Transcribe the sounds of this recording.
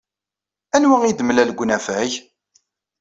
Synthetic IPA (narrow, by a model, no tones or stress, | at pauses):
ænwæŋid̪mlælɡʷnæfæç